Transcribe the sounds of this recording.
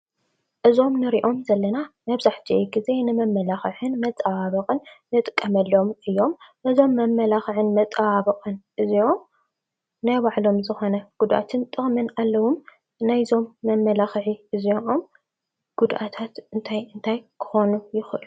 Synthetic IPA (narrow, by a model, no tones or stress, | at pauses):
ʔɨzo̞mnɨɾiʔo̞mzɐlːɐnamɐβzaħt͡ʃ̪ʰiʔeɡize̞nɨmɐmːɐlaxɨʕɨnmɐt̪ʼawaβɐqʼɨnːɨt̪ʼɨkʼːɐmɐlːomɨjːo̞mʔɨzo̞mːɐmːɐlaxʕɨnmɐt̪ʼawaβɨqʼɨnʔɨzio̞m | najbaʕlo̞mzɨxo̞nɐɡ̥ud̪ʔa̰t̪ʰɨnt̪ʼɨxmɨnalːɐwum | najzo̞mːɐmːɐlaxʕiʔɨzioʔom | ɡ̥ud̪ʔat̪ʰat̪ɨnt̪ʰajɨnt̪ʰajkʰɨ̥xonujɪxʔɨlu